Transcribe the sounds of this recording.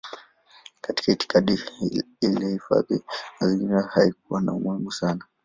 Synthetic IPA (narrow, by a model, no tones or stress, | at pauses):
kati̥kaiti̥kaɗi | ilɛhifa̰ðḭnaziŋiiahaik̚uwana̰umuhimusana